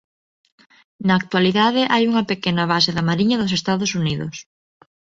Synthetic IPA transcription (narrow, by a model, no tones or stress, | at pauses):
naːk̚t̪waliðaðɪʔajuŋɐpekenɐβ̞aseðamaɾiɲɐðʊsest̪aðʊsuniðʊs